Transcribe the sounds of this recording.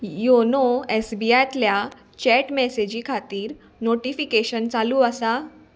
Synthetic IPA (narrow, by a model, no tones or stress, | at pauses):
jonoesbiat̪lja | t͡ɕɛʈmɛsed͡ʑiːkʰat̪iːɾ | noʈifikeɕənt͡saluːəsa